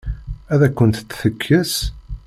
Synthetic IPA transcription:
æðækʷːənt̪t͡sːθəkʰːəs

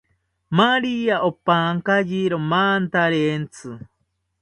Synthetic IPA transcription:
maɾiaʔopaŋkajiɾomaːnt̪aɾent͡sʰɨ

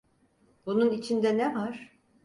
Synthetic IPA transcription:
bununit͡ʃʰind̪ɛnɛvaɾ̥

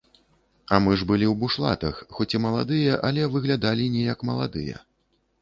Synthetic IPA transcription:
ɐmɨʐbɨlʲiwbuʂlˠa̰t̪ɐxxɔt͡sʲimɐlˠa̰d̪ɨjɐʔɐlʲɛvɨɣlʲad̪alʲinʲɛjɐkmɐlˠa̰d̪ɨ̰jɛɐ̰

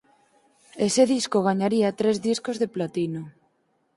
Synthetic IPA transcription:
eseðiskoɣ̞aɲaɾiat̪ɾezðiskozðeplat̪ino

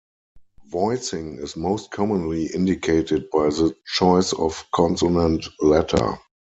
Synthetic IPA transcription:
vɔɪsɪ̃ŋɪsmoʊst̚kʰɔmə̃nliʔɪ̃ndikʰeɪtɪd̚baɪðət͡ʃɔɪsɔ̰fkʰɔ̃nsonɛ̃ntlɛtʰə̰˞

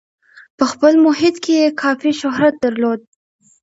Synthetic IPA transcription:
pəxpəlmʊɦɪt̪kʰejekʰɑfiʃʊɦɾat̪̚d̪əɾlod̪̚

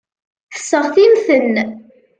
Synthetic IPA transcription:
θə̥sːəʁθimθənː

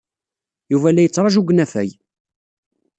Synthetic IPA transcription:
juvælːæjət͡sːɾˤɑʒuɡnæfæ̰j

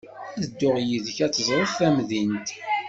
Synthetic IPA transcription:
æðəd̪ːʊʁjiðəçæt͡sːəzˤɾˤəfθæmðint̪

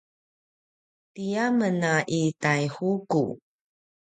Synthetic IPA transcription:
tijamənaʔitajhukṵ

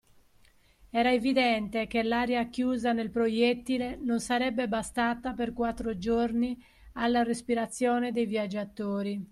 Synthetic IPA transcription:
ɛːɾaevid̪ɛnt̪ekelːaːɾeakjuːzanelpɾojet̪ːilenonsaɾɛbːebast̪aːt̪aperkwat̪ːɾod͡ʒorni | alːarespiɾat̪sːjɔːned̪ejvjad͡ʒːat̪ːoːɾi

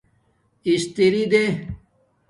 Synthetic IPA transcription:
ist̪iɾid̪e

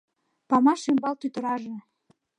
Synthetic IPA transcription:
pɑmɑʃimbɑlt̪yt̪ə̆ɾɑʒĕ

